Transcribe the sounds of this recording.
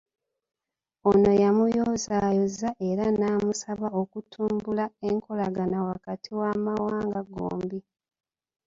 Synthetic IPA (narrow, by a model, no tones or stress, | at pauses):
o̞no̞jamujoːzaːjozaʔe̞ɾanaːmusaβaokutʰuːmbulaeŋkʰo̞laɡanawakatʰiwaːmawaːŋɡaɡo̰ːmbi